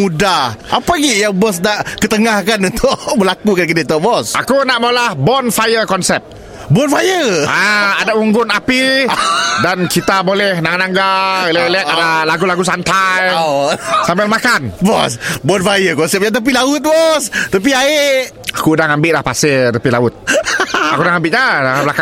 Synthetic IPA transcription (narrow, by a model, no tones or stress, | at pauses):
udaapaɡiʔjaŋbɔs̬naʔkət̪əŋahkanunt̪ʊʔməlakukankədet̪ɔʔbɔsʔa̰kunaʔmolahbɔnfajəkɔnsɛp̚ | bɔnfajəaadauŋɡʊnapi | dankit̪abolɛhnaŋanaŋɡallatadalaɡulaɡusant̪aj | sampɛlmakanbɔ̰sbɔnfajəkɔnsɛp̚jat̪̬ap̬ilaʊt̪̚bɔst̪əp̬iaeʔakudaŋambɪʔlahpasɪt̪əpilaʊt̪̚akudaŋambɪʔɲadaŋablaka